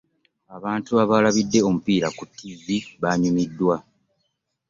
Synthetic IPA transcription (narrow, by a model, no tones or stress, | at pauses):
aβaːntuaβalaβidːe̞o̞mupiːɾakutːiziβaɲumidːwa